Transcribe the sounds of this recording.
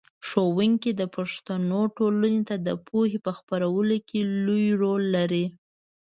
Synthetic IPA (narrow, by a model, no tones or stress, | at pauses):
ʂowɪŋked̪əpaʂt̪anoʈolənet̪ad̪ə̰pʰohepəxpaɾawəlokelujɾolːaɾi